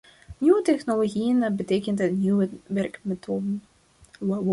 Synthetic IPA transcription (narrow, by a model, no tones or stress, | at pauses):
nyʋətɛχnoloɣijənbəteːjkəntətnywəʋɛrkmetʰoːdən